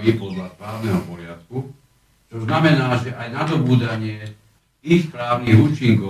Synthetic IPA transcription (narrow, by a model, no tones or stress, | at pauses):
ipɔd̪laspɾaːʊnɛɦɔpɔɾɪat̪ku | t͡ʃɔznamɛnaːʒɛʔajnad̪ɔbuːd̪aɲɪɛ | ixspɾaːʊniɣuːt͡ʃiŋkɔ